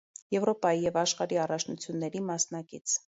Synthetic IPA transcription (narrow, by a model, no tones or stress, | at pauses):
jɛvɾɔpɑjijɛvɑʃχɑɾiɑrɑt͡ʃʰnut͡sʰjunːɛɾimɑsnɑkit͡sʰ